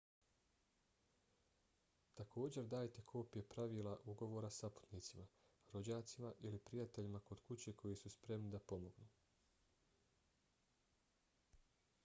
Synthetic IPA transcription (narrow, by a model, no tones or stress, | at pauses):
t̪akʰo̞ːd͡ʑeɾd̪aːjt̪e̞kʰo̞ːpje̞pɾaʋiːlˠaʔuɡo̞ʋo̞ːɾasapu̥t̪niːt̪sima | ɾo̞d͡ʑaːt̪simaʔilipɾijat̪e̞ʎimako̞d̪kut͡ɕe̞ko̞jisuspɾe̞mnid̪apo̞mo̞ɡnuː